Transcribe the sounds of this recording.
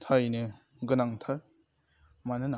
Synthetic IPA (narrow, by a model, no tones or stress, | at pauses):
tʰaɾjnɯ | ɡɯnaŋtʰaɾ | manɯna